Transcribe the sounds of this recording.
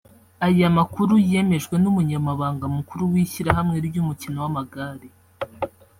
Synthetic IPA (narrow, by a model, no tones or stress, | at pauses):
ajamakuɾujie̞me̞ʒɡwe̞numuɲamaβaːŋɡamukuɾuwiçiɾaɦamŋeɾbɟumucino̞wamaɡaːɾe